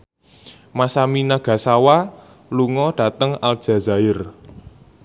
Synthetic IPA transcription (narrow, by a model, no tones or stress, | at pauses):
masaminaɡ̥ä̤sawa | luŋɔɖ̥ä̤t̪əŋald̥ʒ̥ä̤za̤ɪr